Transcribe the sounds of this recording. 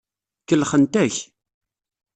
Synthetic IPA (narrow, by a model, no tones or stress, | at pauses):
kəlχənt̪æç